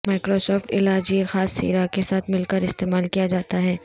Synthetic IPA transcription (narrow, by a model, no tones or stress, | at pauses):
maːɪkɾoːsɔːfʈɪ̰laːd͡ʒiexaːsːḭːɾakesaːt̪ʰmɪlkəɾɪst̪eːmaːlkijad͡ʒaːt̪aɦɛː